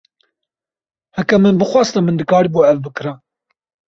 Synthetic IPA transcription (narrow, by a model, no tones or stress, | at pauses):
hækːæmənbəχʷɑsˤt̪æmənd̪əkaɾibuʕævbəkɾæ